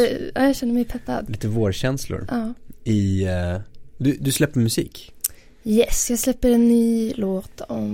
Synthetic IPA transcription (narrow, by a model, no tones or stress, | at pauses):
ʔɑ̰ːjɑɕɛnːəmɛɪpʰɛpːa̰d̪liːt̪əvoːɾɕɛnslʊ̰ɾʔɑːɪ | d̪ɵd̪ɵslɛpːəmɵsḭːk | jɛsjɑːɡslɛpːəɾɛnːyːloːt̪ʰɔm